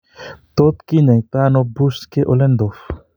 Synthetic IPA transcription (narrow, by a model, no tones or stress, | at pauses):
t̪ot̪kiɲajt̪anobuskeʔolend̪of